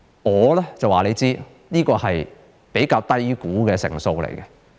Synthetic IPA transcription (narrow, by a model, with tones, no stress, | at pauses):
ŋɔː˨˧lɛː˥t͡sɐ˨waː˨le˨˧jt͡siː˥ | niː˥kɔː˧hɐ˨j | pe˨˥jkaː˧wt̪ɐ˥jkuː˨˥kɛː˧sɪ̰˨˩ŋso˧wlḛ˨˩jkɛ˧